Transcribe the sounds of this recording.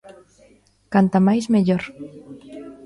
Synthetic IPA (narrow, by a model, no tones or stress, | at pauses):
kant̪amajzmeʎoɾ